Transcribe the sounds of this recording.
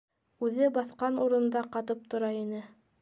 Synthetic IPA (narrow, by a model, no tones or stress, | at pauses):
ʉðɘbɑθqɑnuɾɤ̆nd̪ɑqɑt̪ɤp̚t̪ŏɾɑinɘ